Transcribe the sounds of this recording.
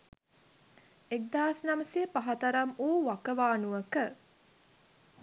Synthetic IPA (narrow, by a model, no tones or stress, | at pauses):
ek̚d̪aːsnɐməsiəpaɦɐt̪ɐɾɐmuːʋakəʋaːnuʋəkə